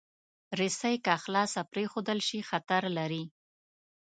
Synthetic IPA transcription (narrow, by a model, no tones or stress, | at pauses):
ɾɪsəjkaxlɑsapɾexod̪əlʃixat̪aɾlaɾi